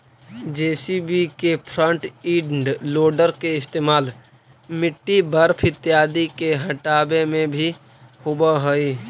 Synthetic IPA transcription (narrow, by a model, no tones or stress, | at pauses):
d͡ʒeːsibikepʰɾə̃ɳʈiːɖɳɖloːɖəɾkeɪst̪eːmaːl | mɪʈːibəɾpʰɪt̪ːjaːd̪ikeɦə̃ʈaːbemẽbʱi | hʊbaɦoi